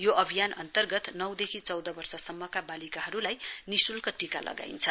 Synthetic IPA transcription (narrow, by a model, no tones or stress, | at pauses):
joʔʌbʱijanʌnt̪ʌrɡʌt̪nʌwd̪ekʰit͡sʌwd̪ʌbʌrsʌsʌmːʌkabalikaɦʌɾulajnisulkoʈika̰lʔʌ̰ɡa̰int͡sʰʌ